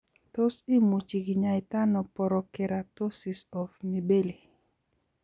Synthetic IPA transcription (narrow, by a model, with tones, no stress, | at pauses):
t̪o˦si˦mu˨t͡ʃi˨ɡi˨ɲa˨i˨ta˦nɔ˨pɔ˨ɾɔ˨kɛ˨ɾa˨to˦si˨sɔ˨fmi˨be˦li˨